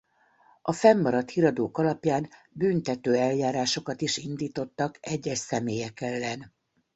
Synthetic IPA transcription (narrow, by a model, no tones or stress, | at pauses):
ʔɒfɛmːɒɾɒt̪hiɾɒd̪oːkɒlɒpjaːn | byːnt̪ɛt̪øːɛljaːɾaːʃo̞kɒt̪iʃind̪iːt̪o̞t̪ːɒkɛɟːɛʃsɛmeːjɛkɛlːɛn